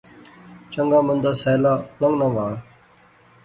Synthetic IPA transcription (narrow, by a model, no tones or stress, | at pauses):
t͡ʃəŋɡaːmənd̪aːsɛːlaːləŋɡnaːʋaː